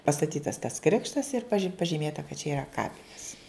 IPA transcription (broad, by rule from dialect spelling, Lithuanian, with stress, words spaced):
pɐstɐˈtʲiːtɐs tɐs ˈkrʲɪkʃtɐs ɪr pɐʒʲiːˈmʲeːtɐ kɐt t͡ʃʲɛ iːˈrɐ ˈkɑːpʲɪnʲɛs